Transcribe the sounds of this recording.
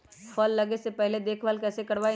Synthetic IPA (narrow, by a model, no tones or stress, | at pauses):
fʰɔlːɐɡesepɛɦled̪eːkʰʋaːlkɛːsekɐɽʋaːi